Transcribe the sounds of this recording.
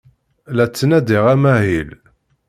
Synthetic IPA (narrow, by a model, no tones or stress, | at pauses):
læt͡sːənæd̪iʁæmæhil